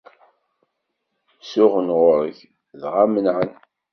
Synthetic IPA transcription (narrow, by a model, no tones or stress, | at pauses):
sʊʁənʁʊɾəç | ðʁamənʕən